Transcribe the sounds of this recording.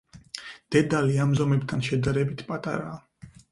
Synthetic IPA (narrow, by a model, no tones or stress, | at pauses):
d̪̥ɛd̪aliamzɔmɛbt̪ʰanʃɛd̪aɾɛbit̪ʰpʼat̪ʼa̰ɾaː